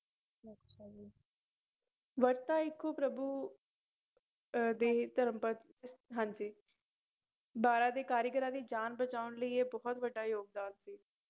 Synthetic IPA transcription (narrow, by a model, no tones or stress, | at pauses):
ət͡ʃaːd͡ʒiː | ʋəɾt̪aːɪkʰːoːpɾəbuː | d̪eːt̪əɾəmpət̪ | ɦãːɲd͡ʒiː | baːɾãːd̪eːkaːɾjəkəɾãːd̪iːd͡ʒaːnbət͡ʃaːʊnləiːeːbɔːt̪ʋəɖaːjoːɡ̚d̪aːnsiː